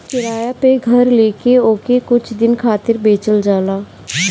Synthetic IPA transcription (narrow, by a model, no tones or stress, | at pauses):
kɪɾaːjapeɡʱəɾleːkeoːkekʊt͡ʃʰd̪ɪnkʰaːt̪ɪɾbeːt͡ʃəld͡ʒaːlaː